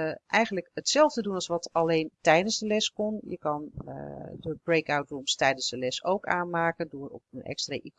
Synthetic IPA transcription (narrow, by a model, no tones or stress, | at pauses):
ʔɛjχənləkətsɛlˠvdədunɑlˠsʋɑtɑlejntɛjdənzdəlɛskɔnjə̰kɑn | dəbrejkawtrumstɛjdənzdəlɛsowka̰ːnmaːkəndʊːrɔ̰pənʔɛ̰kstraʔik